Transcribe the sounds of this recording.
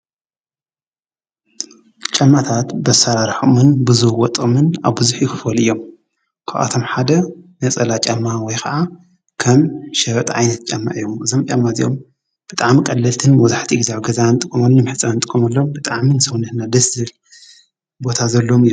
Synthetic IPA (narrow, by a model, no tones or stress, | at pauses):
t͡ʃʼɐmːat̪ʰat̪bɐsaɾaɾħumɨnbɨzuhwɔt̪ʼɨmɨna̰βbɨzuħjukɨfɐlɨjːo̞m | kʰaʔa̰t̪ʰo̞mħad̪ɐnɐt͡sʼɐlat͡ʃʼɐmːawɔjkʰɐʔa | kʰɐmʃɐβɐt̪ʼʕajnɐt̪̚t͡ʃʼɐmːa̰ʔijːomɨzomt͡ʃʼɐmːat̪ʼḭjo̰m | b̥ɨt̪ʼaʕmikʼɐlːɐlt̪ʰɨnmɔzaħt̪ʰiʔɨɡzawɡɐzant̪ʼɨkʼːumɐnːɨmɨħɨt͡sʼːant̪ʼɨkʼːumɐlːombɨt̪ʼaʕminɨsɐwnɨhnad̪ɐszɨl | bo̞t̪ʰazɐlːomɨjːu